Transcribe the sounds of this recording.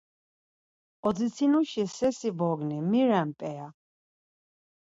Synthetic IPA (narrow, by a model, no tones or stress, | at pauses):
ɔd̪zit̪sʰinuʃisɛsibɔɡnimiɾæmpʼɛa